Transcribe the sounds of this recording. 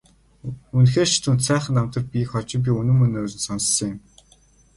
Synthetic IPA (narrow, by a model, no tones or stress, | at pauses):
unxeːrt͡ɕʰi̥t̪unt̪sæːχə̆nt̪am̥t̪ə̆r̚pʲĭxχɔt͡ɕɪ̆ŋp̬ʲiunɘ̆mːɵnɵːɮɘ̆nsɔnsɞ̆ŋĕm